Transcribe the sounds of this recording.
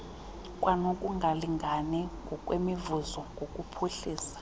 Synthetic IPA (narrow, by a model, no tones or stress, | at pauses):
kʼwanokʼuŋɡʱaliŋɡʱaniŋɡʱɔkʼwemivuzɔŋɡʱokʼupʰuɬiːsḁ